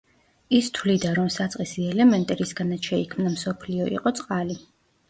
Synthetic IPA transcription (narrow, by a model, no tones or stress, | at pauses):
ist̪ʰwlid̪aɾɔmsat̪sʼqʼisiɛlɛmɛnt̪ʼɛɾisɡanat̪ʃɛikʰmnamsɔpʰliɔḭqʼɔt̪sʼqʼali